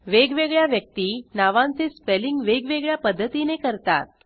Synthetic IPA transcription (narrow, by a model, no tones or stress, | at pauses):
ʋeɡʋeɡɭjaʋjək̚t̪iːnaʋãnt͡sespeliŋɡʋeɡʋeɡɭjapəd̪ʱːət̪inekəɾt̪a̰t̪̚